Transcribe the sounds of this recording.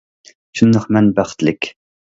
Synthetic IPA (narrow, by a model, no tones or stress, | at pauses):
ʃʰunːɨχmɛnbæχt̪lɪkʲ